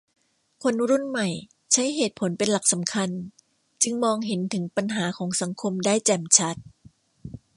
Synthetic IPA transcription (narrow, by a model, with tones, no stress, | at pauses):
kʰo˧nɾu˥˩nma˨˩j | t͡ɕʰa˦˥jɦeː˨˩t̪̚pʰo˨˩˦npe˧nla˨˩k̚sa˩˦mkʰa˧n | t͡ɕɯ˧ŋmɔː˧ŋɦe˩˦nt̪ʰɯ˩˦ŋpa˧nɦaː˩˦kʰɔː˩˦ŋsa˩˦ŋkʰo˧mdaː˥˩jt͡ɕɛː˨˩mt͡ɕʰa˦˥t̪̚